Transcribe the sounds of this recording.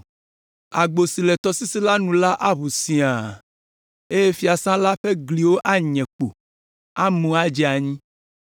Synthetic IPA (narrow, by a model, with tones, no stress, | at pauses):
a˨ɡ͡bo˨si˨lɛ˨t̪ɔ˨si˦si˦la˦nũ˨la˦ʔa˦βu˨sĩ˨a˨ | e˦je˦fi˦a˨sã˦la˦ɸe˦ɡli˨wo˦ʔa˦ɲɛ̃˨k͡po̰˨ | a˦mũ˨a˦d͡ʒi˦a˨ɲĩ˦